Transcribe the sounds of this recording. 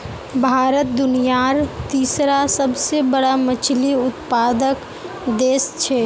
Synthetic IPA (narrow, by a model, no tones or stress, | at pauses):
bʱaːɾət̪̚d̪ʊnijaːɾt̪iːsɾasəbsebəɽamət͡ʃʰliʊt̪paːd̪ək | d̪eːst͡ʃʰɛː